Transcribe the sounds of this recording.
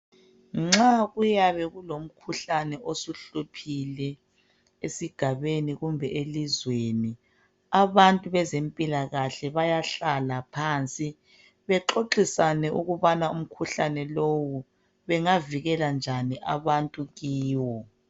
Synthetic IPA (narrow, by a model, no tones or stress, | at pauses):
ŋ͡ǁaɣujaβɛɣulom̩kʰuɬanɛʔosuɬupʰilɛ | esiɡ̥ʱaβeniɣumbʱɛʔelizweni | aβantʼuβɛzempʼilaɣaɬɛβajaɬalapʰant͡sʼi | βɛǁoǃisanɛʔuɣuβanaum̩kʰuɬanɛlowu | βɛŋaviɣɛland͡ʒʱaniʔaβantʼuɣiːwɔ